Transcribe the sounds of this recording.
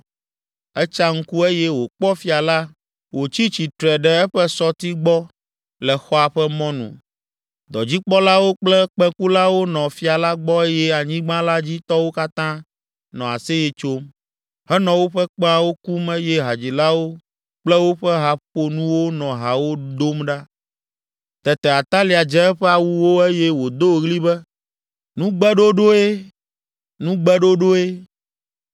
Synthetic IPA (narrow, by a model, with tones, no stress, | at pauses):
ɛ˦t͡ʃa˦ŋ̩˦ku˦e˦jɛ˦wo˨k͡pɔ˦fi˨a˨la˦ | wo˨t͡ɕi˦t͡ɕi˨t̪ɾɛ˨ɖɛ˦ɛ˦ɸɛ˦sɔ˦t̪i˦ɡ͡bɔ˦ | lɛ˨xɔ˦a˨ɸɛ˦mɔ̃˦nṵ̃˨ | d̪ɔ˨d͡ʑi˦k͡pɔ˦la˦wo˦k͡plɛ˦k͡pɛ̃˦ku˦la˦wo˦nɔ̃˨fi˦a˨la˦ɡ͡bɔ˦e˦jɛ˦a˨ɲĩ˦ɡ͡bã˦la˦d͡ʑi˦t̪ɔ˦wo˦ka˦t̪ã˦ | nɔ̃˨a̰˨sɛ˦je˨t͡ʃo˦m | ɦɛ˦nɔ̃˨wo˦ɸɛ˦k͡pa˦wo˦ku˦me˦jɛ˦ɦa˨d͡ʑi˨la˦wo˦ | k͡plɛ˦wo˦ɸɛ˦ɦa˨ɸo˨nũ˦wo˦nɔ̃˨ɦa˨wo˦d̪o˦mɖa˦ | t̪ɛ˨t̪ɛ˨a˨t̪a˦li˨a˨d͡ʒɛ̃˦ɸɛ˦a˨wu˦wo˦e˦jɛ˦wo˨d̪o˦˨ɣli˦bɛ˦ | nũ˦ɡ͡bɛ˦ɖo˦ɖo˦e˦ | nũ˦ɡ͡bɛ˦ɖo˦ɖo˦e˦